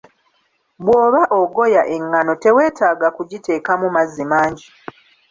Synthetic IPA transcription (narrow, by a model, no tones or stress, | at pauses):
bwoːβaʔoɡo̞jaʔeŋːano̞te̞we̞ːtaːɡakuɟite̞ːkamumazːimaːɲɟi